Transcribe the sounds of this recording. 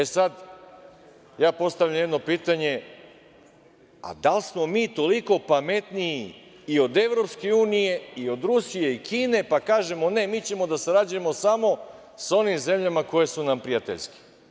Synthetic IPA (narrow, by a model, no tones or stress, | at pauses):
esad̪ | jaːpo̞st̪aʋʎamje̞d̪no̞piːt̪aɲe̞ | a̰d̪alsmo̞miːt̪o̞liko̞pame̞t̪niji | io̞d̪e̞ʋɾo̞pske̞uːnije̞io̞d̪ɾusije̞ikiːne̞pakaːʒe̞mo̞ne̞miːt͡ɕe̞mo̞d̪aseɾad͡ʒuje̞mo̞samo̞ | so̞nimze̞mʎamako̞je̞sunampɾijat̪eʎske̥